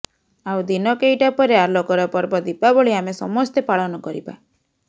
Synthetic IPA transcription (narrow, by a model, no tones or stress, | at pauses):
awd̪inɔkejʈapɔɾeaɾloɡɔɾɔpɔɾbɔd̪ipabɔɭiamesɔmɔst̪epaɭɔnɔkɔɾiba̰